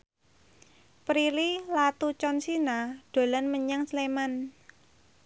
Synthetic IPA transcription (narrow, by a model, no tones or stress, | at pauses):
pɾililat̪ut͡ʃɔnsinaɖ̥o̤lanməɲaŋsleman